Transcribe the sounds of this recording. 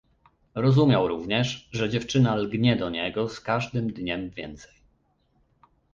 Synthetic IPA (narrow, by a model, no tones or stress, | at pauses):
ɾɔzumʲjawɾuvɲɛʂʐɛd͡ʑɛft͡ʂɘnalɡɲɛd̪ɔɲɛɡɔskaʐd̪ɘmd̪ɲɛmvʲjɛ̰nt̪sɛj